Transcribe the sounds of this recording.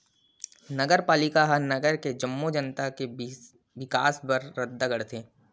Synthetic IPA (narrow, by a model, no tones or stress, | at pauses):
nɐɡəɾpaːlɪkaɦɐnɐɡəɾked͡ʒɐmːod͡ʒənt̪ake | ʋɪka̰ːsbɐɾːəd̪̚d̪ɐɡəɽt̪ʰeː